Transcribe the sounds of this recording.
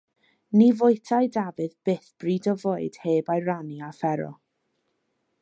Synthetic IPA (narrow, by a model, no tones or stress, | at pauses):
nivʊjtʰajdavɨðb̥eːθb̥riːdɔvoːɨd̥heːbajɾaniafɛɾɔ̰